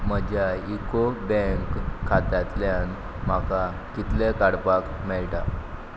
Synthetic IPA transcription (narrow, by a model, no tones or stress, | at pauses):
məd͡ʑaikobɛ̃ŋkʰːat̪at̪ljan | m̤aka | kit̪lekaɽpakmɛɭʈa